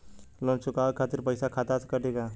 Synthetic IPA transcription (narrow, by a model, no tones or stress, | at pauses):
lont͡ʃʊkaːkʰaːt̪ɪɾpəjsakʰaːt̪askaʈika